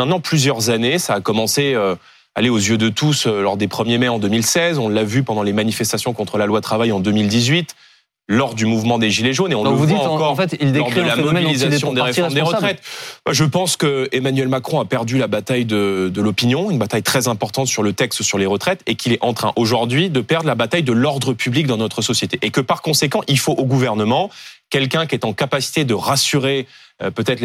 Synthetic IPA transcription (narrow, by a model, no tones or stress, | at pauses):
mɛ̃t̪nɑ̃plyzjœʁzanesaːkɔmɑ̃seø | a̰leozjød̪ət̪usølɔʁd̪epχəmjemɛɑ̃d̪ømilsɛzɔ̃ləavypɑ̃d̪ɑ̃lemanifɛst̪asjɔ̃kɔ̃t̪χəlalwat̪χavajɑ̃d̪ømild̪izɥit̪ | lɔʁd̪ymuvmɑ̃d̪eʒileʒoneɔ̃əd̪ĩkɔʁfɛt̪ild̪eʁd̪əlammɔbilizasjɔ̃d̪eʁefɔmd̪eʁət̪χɛt̪baʒəpɑ̃skəemanɥɛlmakχɔ̃apɛʁd̪ylabat̪ajd̪əd̪əlɔpinjɔ̃ynbat̪ajt̪χɛzɛ̃pɔʁt̪ɑ̃t̪syʁlət̪ɛkst̪syʁleʁət̪χɛt̪ekʲʰilɛʔɑ̃t̪χɛ̰̃ʔoʒuʁd̪ɥid̪əpɛʁd̪ʁlabat̪ajd̪əlɔʁd̪ʁəpʰyblik̚d̪ɑ̃nɔt̪χəsɔsjet̪eʔekəpaʁkɔ̃sekɑ̃ʔilfoʔoɡuvɛʁnəmɑ̃kʲɛlkɛ̃kʲɛt̪ɑ̃kapasi̥t̪ed̪əʁasyʁe | pøt̪ɛt̪χ